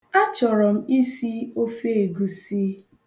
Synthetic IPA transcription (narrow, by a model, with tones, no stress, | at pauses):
a˦t͡ʃɔ˨ɾɔ˨m̩˦i˦si˦o˦fe˦e˨ɡu˨si˦